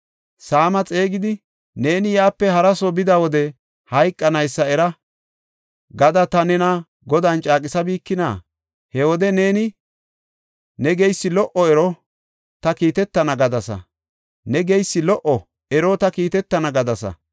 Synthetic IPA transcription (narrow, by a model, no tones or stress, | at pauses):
saːmɐt͡sʼe̞ːɡɪd̪ɪ | ne̞ːnɪjaːpːɛɦɐɾɐsɔbɪd̪ɐwɔd̪ɛ | hɐjkʼːɐnɐjsːɐɛɾɐ | ɡɐd̪ɐt̪ɐnɛnɐ | ɡɔd̪ɐnt͡ʃʼaːkʼɪsɐbiːkːɪna̰ː | hɛwɔd̪ɛne̞ːnɪ | nɛɡɛjsːɪlɔʔɔɛɾɔ | t̪ɐkiːt̪ɛt̪ːɐnɐɡɐd̪ɐsɐ̰ | nɛɡɛjsːɪlɔʔɔ | ɛɾɔt̪ɐkiːt̪ɛt̪ːɐnɐɡɐd̪ɐsɐ̰